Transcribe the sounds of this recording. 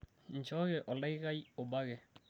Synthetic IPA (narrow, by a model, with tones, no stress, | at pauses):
n˨d͡ʒɔ˦ɣɛ˨ʔɔ˨la˦i˦ɣa˦i˦o˨ba˦ɣɛ˨